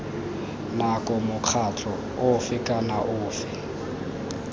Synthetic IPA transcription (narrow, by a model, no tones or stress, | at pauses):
nakʼɔmʊq͡χʰat͡ɬʼɔ | ʊfɪkʼanaʔʊːfɪ